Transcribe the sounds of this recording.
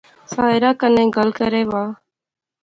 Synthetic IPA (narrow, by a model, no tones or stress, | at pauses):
saːɪɾaːkənẽːɡəlkəɾeːʋaː